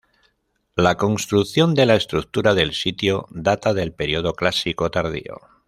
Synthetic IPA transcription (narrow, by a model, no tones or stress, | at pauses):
lako̞nst̪ɾuθjo̞nd̪e̞lae̞st̪ɾuk̚t̪uɾaðe̞lsit̪joðat̪aðe̞lpe̞ɾio̞ð̞o̞klasiko̞t̪aɾðḭo̞̰